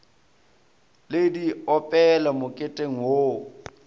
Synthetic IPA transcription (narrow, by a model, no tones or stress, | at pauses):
lediɔpʼɛlamʊkʼetʼeŋ̩wo